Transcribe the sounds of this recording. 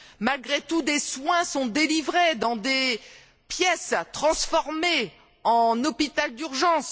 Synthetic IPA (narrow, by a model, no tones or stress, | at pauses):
malɡʁet̪ud̪eswɛ̃sɔ̃d̪elivʁed̪ɑ̃d̪e | pjɛst̪χɑ̃sfɔʁme | ɑ̃nɔpit̪ald̪yʁʒɑ̃s